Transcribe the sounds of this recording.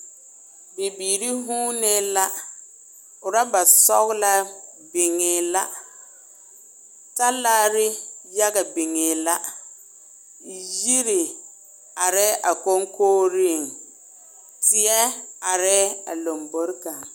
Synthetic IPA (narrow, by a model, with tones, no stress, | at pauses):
be˨biː˨ɾi˦ɦuː˦ne˦la˦ | ʊ˨ɾa˦ba˨sɔ˦ɣla˦bɪ˨ŋɪː˨la˦ | ta˦laː˦ɾɪ˦ja˦ɡa˨bɪ˨ŋeː˨la˦ | ji˦ɾɪ˨ | a˨ɾɛ˦ʔa˨ko˦ŋkʰoː˦ɾi˦˨ŋ | tʰɪ˨ɛ˦a˨ɾɛː˦a̰˨lo˨mbo˦ɾka˨